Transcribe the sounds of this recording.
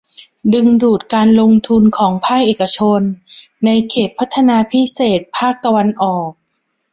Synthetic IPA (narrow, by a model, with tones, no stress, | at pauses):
dɯ˧ŋduː˨˩t̪̚kaː˧nlo˧ŋt̪ʰu˧nkʰɔː˩˦ŋpʰaː˥˩k̚ʔeː˨˩ka˧t͡ɕʰo˧nːa˧jkʰeː˨˩t̪̚pʰːa˦˥t̪ʰːa˧naː˧pʰi˦˥seː˨˩t̪̚pʰaː˥˩k̚t̪a˧wa˧nʔɔː˨˩k̚